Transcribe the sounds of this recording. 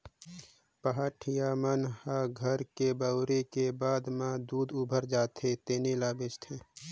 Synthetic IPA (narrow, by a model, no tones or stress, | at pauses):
pəɦaːʈʰijaːmənhaɡʱəɾkebəwɾekebaːd̪mãd̪uːd̪ubʱəɾd͡ʒaːt̪ɦet̪eːnelaːbɪt͡ʃt̪ʰẽː